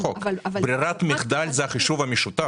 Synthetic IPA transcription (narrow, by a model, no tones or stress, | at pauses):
okbɾiɾat̪mʲɪχd̪alʲzɛɐχiʃuvɐmiʃut̪a